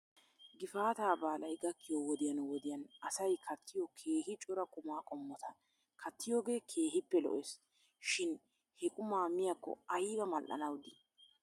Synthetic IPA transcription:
ɡɪfaːt̪aːbaːlɐjɡɐkːɪjɔwɔd̪ɪjɐnwɔd̪ɪjɐnɐsɐjkʰɐt̪ʰːɪjɔkʰe̞ːhɪt͡ʃʼɔɾɐkʼʊmaːkʼɔmːɔt̪ɐ | kʰɐt̪ːɪjoːɡe̞ːkʰe̞ːhɪpːɛlɔ̰ʔes | ʃɪn | hɛkʼʊmaːmɪjɐkːɔ̰ɐjbɐmɐlʔɐ̰nɐwd̪ɪ

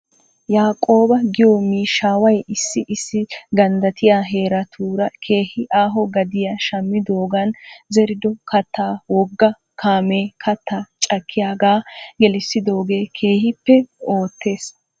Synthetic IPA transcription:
jaːkʼo̞ːbɐɡɪjɔmiːʃaːwɐjɪsːɪʔɪsːɪɡɐnd̪ɐt̪ʰɪjaːɦe̞ːɾɐt̪ʰuːɾɐkʰe̞ːhɪʔaːɦɔɡɐd̪ɪjaʃɐmːɪd̪o̞ːɡɐnzɛɾɪd̪ɔkʰɐt̪ːaːwɔɡːɐ | kʰaːmeːkʰɐt̪ːaːt͡ʃʼɐkːɪjaːɡaːɡɛlɪsːɪd̪o̞ːɡe̞ːkʰe̞ːhɪpːɛo̞ːt̪ʰːe̞ːs

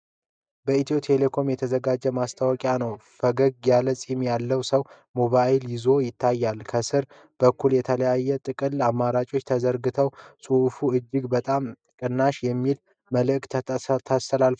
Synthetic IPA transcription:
bəit̪ʰot̪ʰele̞kʰo̞mjɛt̪ʰəzəɡad͡ʒːɛmast̪ʰawɔkʼjanəwfəɡəɡjaləsʼimjalːəwsəw | mo̞βajɪljɪzo̞jɪt̪ʰːajːalkʰəsɨɾ | b̥əkːuljɛt̪ʰələjajːɛt̪ʼɨkʼɨlamːaɾat͡ʃʼo̞t͡ʃːt̪ʰəzəɾɡɨt̪ʰəwsʼuʔfuɨd͡ʒːɪɡbət̪ʼam | kʼɨnːaʃjɛmːil | məlɨʔkt̪ʰt̪ʰast̪ʰəlalf

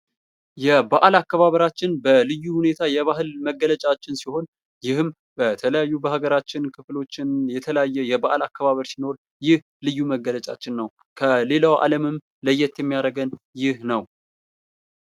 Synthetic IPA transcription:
jɛbaʔalakːəβaβəɾat͡ʃːɪnbəlɨjːuhune̞t̪ʰajɛβaɦɨlməɡːələt͡ʃʼat͡ʃːɪnsiho̞n | jɪhɨm | b̥ət̪ʰələjajːubəhaɡəɾat͡ʃːɪnkʰɨflo̞t͡ʃːɪnjɛt̪ʰələjajːɛjɛbaʔalakːəβaβəɾsino̞ɾ | jɪh | lɨjːuməɡːələt͡ʃʼa̰t͡ʃːɪnːəw | kʰəle̞lawa̰ləmɨm | ləjːɛt̪jɛmːijaɾəɡən | jɪhnəw

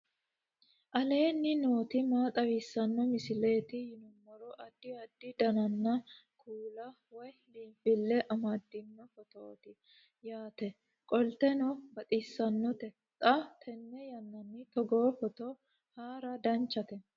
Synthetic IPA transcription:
ʔɐle̞ːnːɪno̞ːt̪ɪmaːt̪ʼɐwiːsːɐnːɔmɪsɪle̞ːt̪ɪhɪnʊmːɔɾɔʔɐd̪ːɪɐd̪ːɪd̪ɐnɐnːɐkʰuːlɐ | wɔjliːmfɪlːɛʔɐmɐd̪ɪnːɐfɔt̪oːt̪ɪ | jaːt̪ɛ | kʼɔlt̪ɛnɔbɐt̪ʼisːɐnːɔt̪ɛ | t̪ʼːɐt̪ʰɛnːɛjɐnːɐnːɪt̪ɔɡoːfɔt̪o | haːɾɐd̪ɐnt͡ʃːɐt̪ɛ

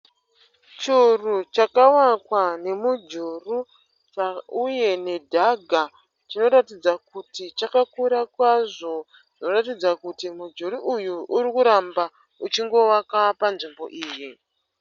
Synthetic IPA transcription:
t͡ʃurut͡ʃakawakwane̞mud͡ʒuru | t͡ʃauje̞ne̞dʱaɡʱa | t͡ʃino̞ɾatid͡zakutit͡ʃakakuɾakwaʐo̞ | ʐino̞ratid͡zakutimud͡ʒuɾuʔujuʔuɾikuɾamba | ut͡ʃiŋɡo̞wakapanʐimbo̞̰ʔiːji

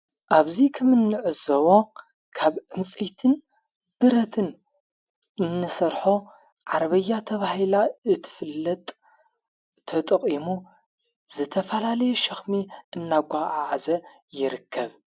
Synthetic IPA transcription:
ʔaβzikʰɐmɨnːɨʕɨzɐwo̞ | kʰaβʕɨnt͡sʼejt̪ʰɨn | b̥ɨɾɐt̪ʰɨn | ɨnːɨsɐɾħo̞ | ʕaɾβɐjːat̪ʰɐβahilaɨt̪ʰɨ̥fɨlːɐt̪ʼ | ɐt̪ʼɐqʼimu | zɨt̪ʰɐfɐlalɐjuʃɐxmiʔɨnːaɡʷaʕaʕzɐ | jɪɾɨkʰːɐβ

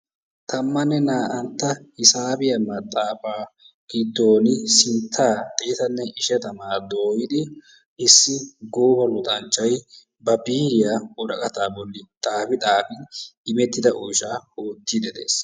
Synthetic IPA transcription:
t̪ʰɐmːɐnːɛnaːʔɐnt̪ːɐhɪsaːbɪjɐmɐt̪ʼːaːfaː | ɡ̥ɪd̪ːoːnɪsɪnt̪ʰːaːt̪ʼeːt̪ɐnːɛʔɪʃɛt̪ɐmaːd̪o̞ːjɪd̪ɪ | ʔɪsːɪɡoːbɐlʊt̪ʼɐnt͡ʃːɐj | bɐbiːɾɪjaɔɾɐkʼɐt̪aːbɔlːɪt̪ʼaːfɪt̪ʼaːfɪɪmɛt̪ːɪd̪ɐʔɔjʃaːhoːt̪ːid̪ɛd̪ḛːs

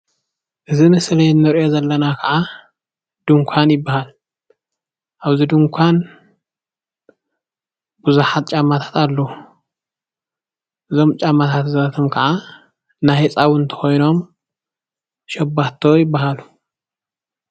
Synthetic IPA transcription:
ʔɨzimɨslɐjnːɨɾjo̞zɐlːɐnakʰɐʕa | d̪̥ɨŋkʷʰanjɪbːahal | ʔaβzid̪ɨŋkʷʰan | buzuħat̪̚t͡ʃʼamːat̪ʰḁt̪ʰalːɐu | ʔɨzo̞mt͡ʃʼamːat̪ʰat̪zɐβɐt̪ʰomkʰɐʕa | najhet͡sʼawʊnt̪ʰɐ̥xo̞jno̞m | ʃɐbːaht̪ʰojɪbːaɦalu

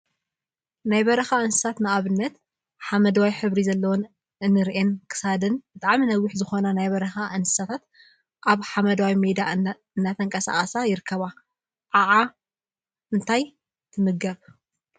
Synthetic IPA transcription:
najbɐɾɐxaʔɨnsɨ̥sat̪nɨʔaβɨnːɐt̪ | ħamɐd̪ɐwajħɨβɾizɐlːɐwon | ʔɨnːɨɾʔenkʰɨ̥sad̪ɨnb̥ɨt̪ʼaʕminɐwːɪħzɨxo̞nanajbɐɾɐxaʔɨnsɨ̥sat̪ʰat̪ | ʔaβħamɐd̪awajmed̪a | ɨnːat̪ʰɐŋkʼɐsa̰χʼɐsajɪɾɨkʰːɐβa | ʔaʕa | ʔɨnt̪ʰaj | t̪ʰɨmɨɡɐβ

